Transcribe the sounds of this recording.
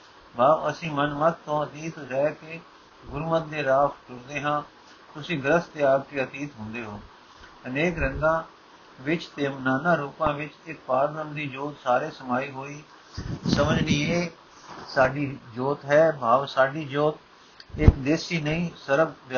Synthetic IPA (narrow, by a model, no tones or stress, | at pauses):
bʱaːʋəsĩːmənmət̪t̪ʰːõːət̪iːt̪ːɾɛːkeː | ɡʊɾumət̪̚d̪eːɾaːfʈʊɾd̪eːɦãː | t̪ʊsĩːɡəɾəst̪eːaːɡkeːət̪iːt̪ɦʊ̃nd̪eːɦoː | əneːkɾɪ̃nd̪ãː | ʋɪt͡ʃt̪eːmənaːnãːɾuːpãːʋɪt͡ʃɪk̚paːɾɾəmd̪iːd͡ʒoːt̪saːɾeːsəmaːiːɦoːiː | səməd͡ʒniːeː | saːɖiːd͡ʒoːt̪ɦɛːbʱaːʋsaːɖiːd͡ʒoːt̪̚ | ɪkd̪eːsiːnəĩːsəɾəɡʋ